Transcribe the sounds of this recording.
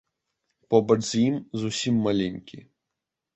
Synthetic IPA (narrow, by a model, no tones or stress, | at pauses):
pɔbɐt͡ʂzʲjimzusʲimːalʲenʲkʲi